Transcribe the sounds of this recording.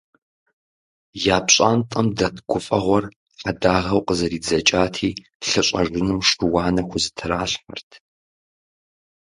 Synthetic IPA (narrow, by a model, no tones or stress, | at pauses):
jaːpɕʼaːntʼɐmdɐtʰɡ̥ʷʊfʼɐʁʷɔr | ħadaːʁɐwqəzɐɾiːd͡zɐt͡ʃʼaːtʰiː | ɬɨɕʼɐʐɪnɨmʂɨwɑːnɐxʷʊzɨtʰɨɾaːɬħɐ̰rtʰ